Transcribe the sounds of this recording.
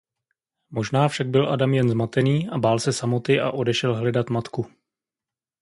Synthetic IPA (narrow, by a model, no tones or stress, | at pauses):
mo̞ʒnaːfʃaɡ̚bɪlʔa̰damjɛnzmat̪ɛniːʔabaːlsɛsamot̪ɪʔa̰ʔo̞dɛʃɛlɦlɛdat̪mat̪ku